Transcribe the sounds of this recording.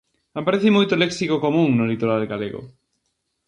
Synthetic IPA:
apaɾeθimojt̪oleksikokomũŋnolit̪oɾalɡalḛɣo̰

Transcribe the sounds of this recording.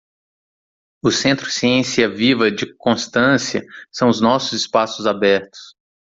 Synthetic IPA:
ʊsẽnt̪ɾʊsiẽsiɐvivɐd͡ʒɪkõst̪ɐ̃siɐsɐ̃w̃ʊznɔsʊzɪspasʊzabɛɾt̪ʊ̥s

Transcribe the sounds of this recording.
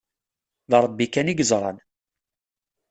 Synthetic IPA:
ðəɾˤbikːæniɡəzˤɾˤɑ̰n

